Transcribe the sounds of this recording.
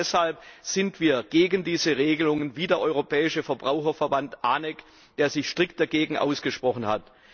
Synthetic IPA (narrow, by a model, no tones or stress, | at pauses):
shalp̚z̥ɪntv̥iːɐɡ̥eːɡəndiːzəʁeːɡəlʊŋənviːdeːɐʔɔʏʁopʰɛːɪʃəfɛɐbʁaʊxɐfɛɐbantʔaːnɛk | d̥eːɐzɪçʃtʁ̥ɪk̚t̚d̥aɡeːɡŋ̩ʔa̰ʊsɡ̥əʃpʁ̥ɔχn̩ha̰t